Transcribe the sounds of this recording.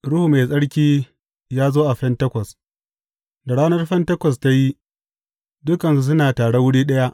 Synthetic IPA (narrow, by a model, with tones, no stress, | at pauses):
ɽʊ˦hu˨me˨jsʼɐ˦ɽkʲiː˦ | jaː˦zoː˦ʔa˨ɸɛ˦ntɐ˦kʷɐ˨s | da˨ɽaː˦nɐ˦rɸɛ˦ntɐ˦kʷɐ˨s̬ta˦ji˦ | dʊ˦kɐ˨nsu˦s̬ʊ˦naː˨taː˨ɽe˦wʊ˦ɽiː˦ɗɐ˦ja˦ʔ